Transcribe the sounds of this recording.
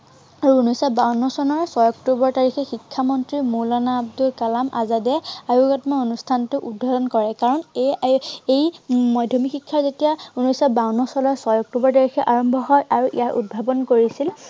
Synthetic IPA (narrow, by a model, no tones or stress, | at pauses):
aɹuːnɔsabaɹnɔsɔnɔɹsɔjɔktubɔɹtaɹixɛxikʰːamɔntɹimulanaːb̚dulkalamʔa̰zadɛajuɡɔtmaonustʰantʊʔudʱɔdɔnkɔɹɛkaɹɔn | ejmɔjdʱɔmixikʰːaɹzetijaunɔjsabaɹunɔsɔnɔɹsɔjɔk̚tubɔɹtaɹixɛʔaɹɔmbʱɔɦɔjʔaɹuʔḭjaɹʔṵd̚bʱabɔnkoɹisil